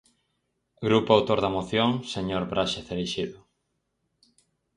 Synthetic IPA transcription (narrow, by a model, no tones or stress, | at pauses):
ɡɾupoawt̪oɾðɐmoθjoŋseɲoɾbɾʔaʃeθeliʃiðʊ